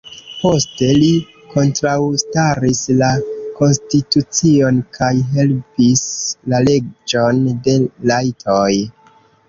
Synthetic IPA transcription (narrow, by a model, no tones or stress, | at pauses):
po̞ste̞li | kʰo̞ntɾawstaɾislako̞nstitut͡sio̞nkʰajɦe̞lpislale̞d͡ʒo̞nde̞lajtʰoj